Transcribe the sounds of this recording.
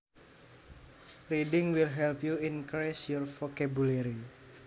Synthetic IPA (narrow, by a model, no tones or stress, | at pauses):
riɖɪŋwilɦɛlpjuinkɾɛsjɔrfɔkabuleɾi